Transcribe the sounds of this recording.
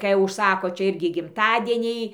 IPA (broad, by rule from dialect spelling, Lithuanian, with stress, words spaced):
kɐɪ ʊʃˈsɑːkoː ˈt͡ʃʲɛ ˈɪrʲɡʲɪ ɡʲɪmˈtɑːdʲiɛnʲɛɪ